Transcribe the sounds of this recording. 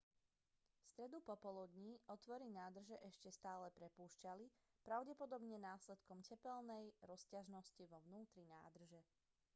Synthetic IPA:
fst̪ɾɛd̪upɔpɔlud̪ɲiɔt̪ʋɔɾinaːd̪r̩ʒɛʔɛʃcɛst̪aːlɛpɾɛpuːʃcali | pɾaʊɟɛpɔd̪ɔbɲɛnaːslɛt̪kɔmcɛpɛlnɛjɾɔscaʒnɔsciʋɔʋnuːt̪ɾina̰ːd̪r̩ʒɛ

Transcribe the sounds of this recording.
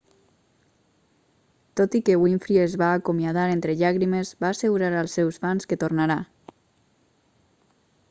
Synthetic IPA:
t̪ot̪ikəwiɱfɾiezβaːkomiað̞aɾent̪ɾəʎaɣɾiməzbaːseɣuɾaɾalˠsːɛwsfanskət̪ornaɾa

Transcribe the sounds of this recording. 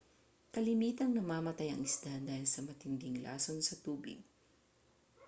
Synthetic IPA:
kɐlɪmiːt̪ɐŋnɐmaːmɐt̪ajɐ̰ŋɪsd̪̥ad̪aːhɪlsɐmɐt̪ɪnd̪ɪŋla̰ːsonsɐt̪uːbɪ̰ɡ̚

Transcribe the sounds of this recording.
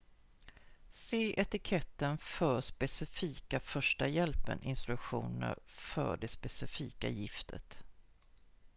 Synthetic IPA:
seːʔɛt̪ɪkʰɛt̪ːənfœɾspɛsɪfiːkafœʂʈajɛlpə̰nʔɪnst̪ɾɵkɧuːnə̰ɾfœ̰ɖɛspɛsɪfiːkajɪft̪ʰət̪

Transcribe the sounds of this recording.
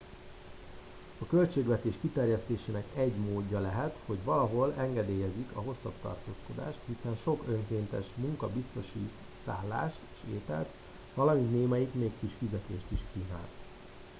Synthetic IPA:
ɒkø̞lt͡ʃeːɡʋɛt̪eːʃkit̪ɛrjɛst̪eːʃeːnɛkɛɟmoːɟːɒlɛɦɛt̪ho̞ɟʋɒlɒɦo̞lɛŋɡɛd̪eːjɛzikɒɦo̞sːɒ̰bt̪ɒ̰rt̪o̰ːsko̞d̪a̰ːʃt̪hisɛnʃo̞kø̞ŋkeːnt̪ɛʃmuŋkɒbist̪o̞ʃḭ | sa̰ːlːa̰ːʃt̪eːʃeːt̪ɛ̰lt̪ | ʋɒlɒmint̪neːmɛjikmeːkkːiʃfizɛt̪ḛːʃt̪iʃkiːna̰ːlt̪

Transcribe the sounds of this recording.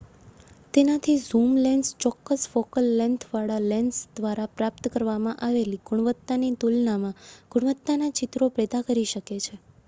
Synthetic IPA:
t̪enat̪ʰizumlɛnst͡ʃɔkːəsfokəlːɛnt̪ʰʋaɭalɛnsd̪ʋaɾapɾapt̪kəɾʋamãʔaʋeliɡʊɽ̃ʋət̪ːanit̪ulnamãɡ̥ʊɽ̃ʋət̪ːnanat͡ʃɪt̪ɾopɾed̪akəɾiʃəket͡ʃʰe

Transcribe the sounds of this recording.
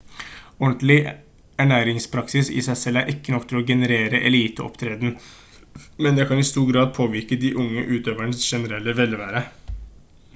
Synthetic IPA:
ɔɳt̪lɪ | æɳæːɾɪŋspʰɾɑksɪsɪ̰sæɪsɛlːæɾʔɪkːənɔk̚ːt̪ʰɪlɔɡɛnəɾeːɾəʔɛliːt̪əɔ̰pt̪ʰɾeːd̪n | mɛnd̪ɛkʰɑnɪst̪uːɾɡɾɑːd̪̚pʰoːʋɪɾkəd̪iʔʊŋːəʔʉːt̪ʰøːʋæɳəsʃɛnəɾɛlːəʋɛlʋæːɾə

